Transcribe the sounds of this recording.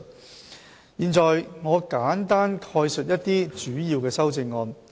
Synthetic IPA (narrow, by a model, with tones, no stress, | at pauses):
jiː˨nt͡sɔː˨jŋɔː˨˧kaː˨˥nt̪aː˥nkʰɔː˧jsɵ˨t̚jɐ˥t̚t̪iː˥t͡ʃyː˨˥jiː˧wkɛː˧sɐ˥wt͡sɪ˧ŋːɔː˧n